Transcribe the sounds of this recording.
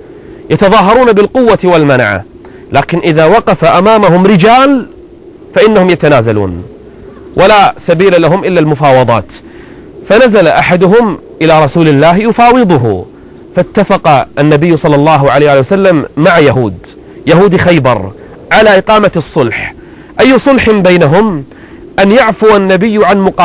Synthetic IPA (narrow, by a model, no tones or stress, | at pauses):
jɑt̪ɑðˤɑːɦɑɾˤuːnabɪlqʊwːat̪walmanʕa̰ | laːkɪnʔɪðawɑqɑfaʔamaːmaɦʊmɾɪd͡ʒaːl | faʔɪnːahʊmjat̪anaːzalṵːn | wʔalasabiːlalaɦʊmʔɪlːalmʊfɑːwɑðˤɑ̰ːt̪ | fanazalaʔaħad̪ʊɦʊmʔɪlaɾˤɑsuːlɪlːaːɦjʊfɑːwɨðˤʊɦʊ̰ | fat̪ːafɑqɑʔanːabɪjːsˤɑlːɑlˤːɑːɦʕaleːhwʔalːjwasalːamːaʕjaɦuːd̪ | jaɦuːd̪ixajbɑ̰ɾˤ | ʕalaʔɪqɑːmasˤːʊlħ | ʔajːʊsˤʊlħɪmbajnaɦʊm | ʔanjaʕfʊanːabɪjːʕanmʊqː